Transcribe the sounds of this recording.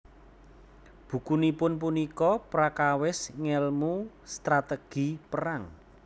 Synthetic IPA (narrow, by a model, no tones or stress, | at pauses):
b̥ṳkunipʊnp̬unikɔpɾakawɪsŋɛlmu | st̪ɾat̪əɡ̥i̤pəɾaŋ